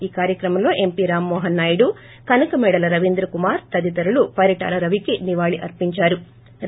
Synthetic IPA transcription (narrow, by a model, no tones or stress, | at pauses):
iːkaːɾjɐkɾɐmɐmlo̞ːʔe̞mpiɾaːmːɔːɦɐnːaːjɐɽu | kɐnɐkɐmɛːɽɐlɐɾɐʋind̪ɾɐkumaːɾt̪ɐd̪it̪ɐɾulupɐɾiʈa̰ːlɐɾɐʋikiniʋaːɭiʔɐ̰ɾpiɲt͡ʃaːɾu